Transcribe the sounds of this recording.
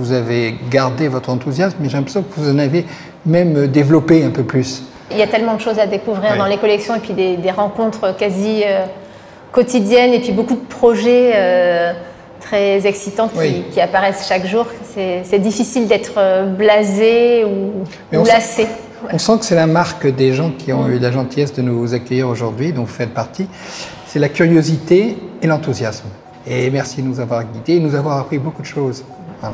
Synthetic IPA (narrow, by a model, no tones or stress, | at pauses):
vuzaveɡaʁd̪evɔt̪χɑ̃t̪uzjasmːɛʒɛɛ̃pχe̥sjɔ̃kəvuzɑ̃nave | mɛmød̪evlɔpeɛ̃pøplys | iljat̪ɛlmɑ̃d̪əʃozad̪ekuvʁiʁd̪ɑ̃lekɔlɛksjɔ̃epɥid̪ed̪eʁɑ̃kɔ̃t̪χəkaziø | kɔt̪id̪jɛnepɥibokud̪əpχɔʒɛø | t̪χɛzɛksit̪ɑ̃kʲikʲiapaʁɛsʃakʒuʁsɛsɛd̪ifisild̪ɛt̪χəblazeu | mɛɔ̃lase | wɔ̃sɑ̃kə̥sɛlamaʁkd̪eʒɑ̃kʲʰiɔ̃ylaʒɑ̃t̪ijɛsd̪ənozakœjiʁoʒuʁd̪ɥid̪ɔ̃vufɛt̪̚paʁt̪i | sɛlakʲyʁjozit̪eːlɑ̃t̪uzjasm | emɛʁsid̪ənuzavwaʁɡʲid̪enuzavwaʁapχibokud̪əʃoz | ɛ̃